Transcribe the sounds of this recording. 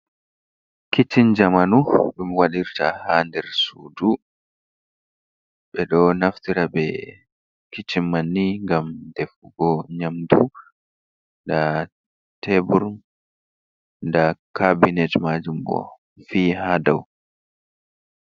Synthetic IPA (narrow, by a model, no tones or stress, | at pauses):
kit͡ʃːind͡ʒamanuɓɛmɔwaɗiɾtahandɛɾsuːdu | ɓɛɗɔnaftiɾabɛ | kit͡ʃːimːanːiŋɡamdɛfuɡɔɲamdu | nda | tʰɛbuɾn | ndakabinɛtmaːd͡ʒumbɔ̰ | fiːhadaw